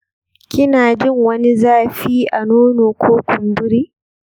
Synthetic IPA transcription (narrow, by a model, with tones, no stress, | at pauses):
kʲɪ˦naː˨d͡ʒɪ˦ŋwɐ˦ni˦zaː˦ɸiː˦ʔa˨noː˦noː˨kʷʰoː˦kʷʊ˨mbʊ˦ɾiː˦